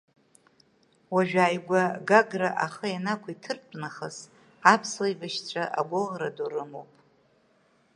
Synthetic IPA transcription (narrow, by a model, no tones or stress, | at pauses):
waʒᶣaːjɡʷaɡaɡraʔaχajanakʷʰaitʰɨrpʷʼnaχaz | apʰslaibaʃt͡ɕʷʰʼaʔa̰ɡʷoʁɾaduɾɨmo̰wpʼ